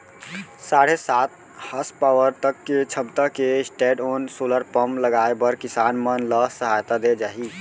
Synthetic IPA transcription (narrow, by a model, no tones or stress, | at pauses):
saɽ̤esat̪̚ | həspawəɾt̪əkːet͡ʃʰəbt̪əkesʈeɖonsoləɾpəmləɡaebəɾkisanmənləsəɦajt̪ad̪ed͡ʒaɦi